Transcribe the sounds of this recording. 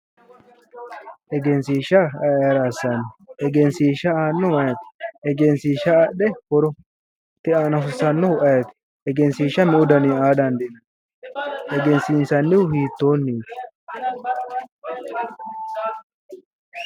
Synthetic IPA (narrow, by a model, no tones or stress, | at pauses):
ʔɛɡɛnsiːʃɐɐjɐɾasanɪɛɡɛnsiːʃɐaːnːɔwɐjɐt̪ɪ̥ɛɡɛnsiːʃɐːɗɛhɔɾɔ | t̪ɪaːnɐfʊsɐnːɔʊɐjɐt̪ɪ̥ | ɛɡɛnsiːʃɐmɪʊd̪ɐniaːd̪ɐnd̪ɛnɐ | ʔɛɡɛnsiːnsɐnːɪwʊhiːt̪ːo̞ːnːiːt̪